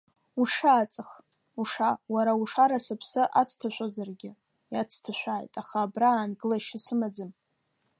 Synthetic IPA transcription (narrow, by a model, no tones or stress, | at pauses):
uʂaːt͡sʼɨχ | uʂawaɾauʂaɾasɨpʰsɨʔat͡sʰtʰaʃʷʼozarɡʲɪ | jat͡sʰtʰaʃʷaːjtʼaχaːbraːnɡɨlaʃasɨmad͡zɨm